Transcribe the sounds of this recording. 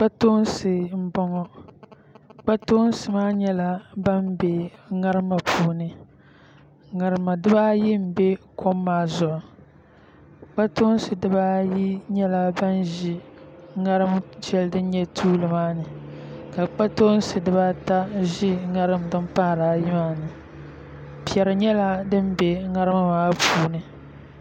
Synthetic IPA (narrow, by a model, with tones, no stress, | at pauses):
k͡pa˦toː˦n˦sɨ˨m̩˦bɔ˦ŋɔ˦ | k͡pa˦to˦n˦sɨ˨maː˦ɲɛ˦la˦ba˦m˦bɛ˨ŋa˦ɾɨ˦ma˨pʰuː˦˨nɨ˦ | ŋa˨ɾɨ˨ma˨dɨ˦ba˦ji˦m̩˨bɛ˦kʰo˦mːaː˦zʊ˨ʔɔ˨ | k͡pa˦to˦n˦sɨ˨dɨ˦ba˦ji˦ɲɛ˦la˨ba˦nʒi˦ŋa˦ɾɨ˦md͡ʒɛ˦ldɨ˦n˦ɲɛ˦tʰuː˦lɨ˨maː˦nɨ˨ka˨k͡pa˦to˦n˦sɨ˨dɨ˦ba˦ta˦ʒi˦ŋa˦ɾɨ˦m˨dɨ˦m˦pa˦hɾaː˨˦ji˦maː˦nɨ˨ | pi˨ɛ˨ɾɨ˨ɲɛ˦la˦dɨ˦m˦bɛ˨ŋa˦ɾɨ˦ma˦maː˦pʰuː˨˦nɨ˨